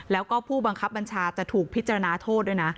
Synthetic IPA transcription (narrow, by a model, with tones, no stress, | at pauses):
lɛː˦˥wkɔː˥˩pʰuː˥˩ba˧ŋkʰa˦˥p̚ba˧nt͡ɕʰaː˧t͡ɕa˨˩t̪ʰuː˨˩k̚pʰi˦˥t̪̚t͡ɕa˧ɾa˧naː˧t̪ʰoː˥˩t̪̚du˥˩jna˦˥